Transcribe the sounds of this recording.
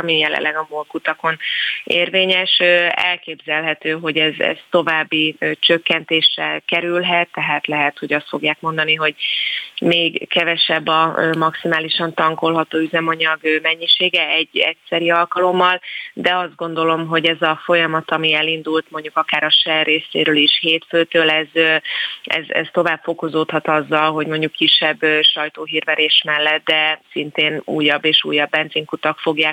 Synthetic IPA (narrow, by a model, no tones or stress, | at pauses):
mijɛlɛ̰lːʔɛɡɒmolkut̪ɒko̞neːrveːɲɛʃøɛ̰lkeːbzɛlɦɛt̪øːɦo̞ɟɛzɛ̰z̥t̪o̞vaːbːit͡ʃøkːɛnt̪eːʃrɛkɛɾylɦɛt̪ːɛɦaːt̪lɛɦɛt̪ho̞ɟɒst̪fo̞ɡjaːk̚mo̞nd̪ɒniɦo̞ɟmeːɡkɛvɛʃɛbːɒmɒksimaːliʃɒnt̪ɒŋko̞lɦɒt̪oːyzɛmɒɲɒɡmɛɲːiʃeːɡɛɛɟːɛ̰csɛɾiɒlkɒlo̞mːɒld̪ɛɒzd̪̚ɡo̞nd̪o̞lo̞mɦo̞ɟɛzɒfojɒmɒt̪ɒmiɛlind̪ult̪mo̞ɲɟukɒkaːɾɒʃɛreːsḛːɾøːliʃheːt̪følt̪øːlɛz | ɛ̰zɛ̰st̪o̞vaːbfo̞ko̞zoːt̪hɒt̪ɒzːɒlɦo̞ɟmo̞ɲɟukːiʃːɛbːøʃɒjt̪oːɦiːrvɛɾeːʃmɛlːɛt̪̚d̪ɛsint̪eːnṵːjɒbːeːʃṵːjɒbːɛnziːŋkut̪ɒkfo̞ɡjaː